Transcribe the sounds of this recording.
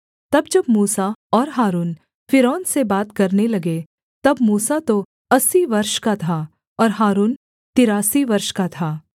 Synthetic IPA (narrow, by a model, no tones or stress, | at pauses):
t̪ɐbd͡ʒɐbmuːsaɔːɾɦaːɾuːn | fɪɾɔːnsebaːt̪kɐɾnelɐɡe | t̪ɐbmuːsat̪o | ɐsiʋɐɾʃkat̪ʰa | ɔːɾɦaːɾuːn | t̪ɪɾaːsiʋɐɾʃkat̪ʰaː